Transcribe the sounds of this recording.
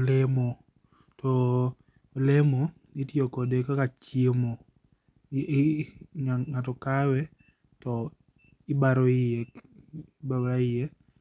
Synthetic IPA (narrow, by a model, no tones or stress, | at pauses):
lɛmo | tɔ | lemo | ɪtjokodekakat͡ʃemo | aŋatɔkawɛ | tɔ | ɪbaɾoɪe | baɾaɪje